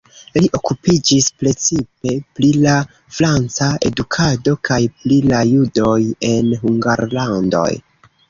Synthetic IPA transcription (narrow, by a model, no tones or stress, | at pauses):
liʔo̞kupid͡ʒispɾe̞t͡sip̚e̞plila | fɾant͡sae̞̰dukʰado̞kʰajplilajudo̞je̞nɦuŋɡaɾlando̞̰j